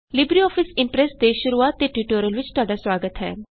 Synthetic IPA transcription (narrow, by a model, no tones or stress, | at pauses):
lɪbɾiɔːpʰɪsɪ̃mpɾɛsd̪eːʃʊɾuaːt̪ːeːʈuːʈoːɾiəlʋɪt͡ʃt̪ʊwaːɖaːswaːɡət̪ɦɛ̰ː